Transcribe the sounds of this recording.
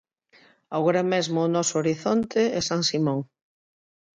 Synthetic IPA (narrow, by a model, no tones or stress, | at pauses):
awɣoɾamezmʊːnɔsʊoɾiθont̪ʰeɛsaŋsimõŋ